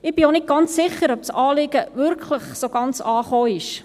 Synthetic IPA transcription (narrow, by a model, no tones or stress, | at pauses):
ɪb̥ionɪt̚ɡ̥ɑnt͡ssɪχəɾɔpsɑːlɪɡəvʏɾkʰləχsoɡ̥ɑnt͡sɑːχoːɪʃ